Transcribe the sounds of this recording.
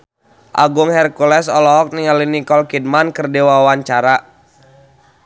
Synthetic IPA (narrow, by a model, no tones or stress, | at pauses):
ʔa̰ɡʊŋhɛrkulɛsɔlɔɦɔk̚niŋalinikɔlkid̚mankərdewawaɲt͡ʃaɾa